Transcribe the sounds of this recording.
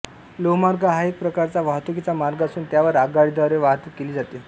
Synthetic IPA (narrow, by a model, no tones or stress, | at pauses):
lomaɾɡaɦaek̚pɾəkaɾt͡saʋaɦt̪ukit͡samaɾɡasuːnt̪jaʋəɾaɡaɭid̪aɾeʋaɦt̪ukːeliːd͡zat̪i